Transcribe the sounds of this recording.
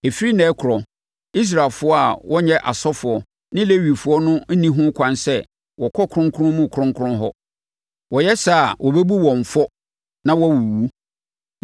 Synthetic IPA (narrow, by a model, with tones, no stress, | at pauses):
e˨fi˦ɾi˦nɛ̃˨˦kʰʊ˨ɾɔ˨ | i˦s̬ɾa˨lfʊ˦ɔ˦a˨wɔ˦ɲɛ̃˦ʔa˨sɔ˦fʊ˨ɔ˨ | nɪ̃˦le˦ɥi˨fʊ˨˦ɔ˦nʊ̃˦n̩˦nĩ˦ɦʊ̃˦kʷʰã˦nsɛ˦ | wɔ˨kʰɔ˦kʰɾʊ̃˦ŋ˦kʰʊ˦ʊ̃˦mũ˦˨kʰʊ˨ɾʊ̃˦ŋkʰʊ˦ɾʊ̃˦ɦɔ˦ | wɔ˨jɛ˦sa˦˨a˨wʔɔ˨be˦bu˦wɔ̃˨ɱ˨fɔ˦ | nã˦wɔ˦wu˨wu˦